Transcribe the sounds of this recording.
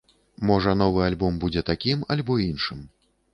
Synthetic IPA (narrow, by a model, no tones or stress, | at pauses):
mɔʐɐn̪ɔvɨalʲbɔmbud͡zʲɛt̪akʲimalʲbɔinʂɨm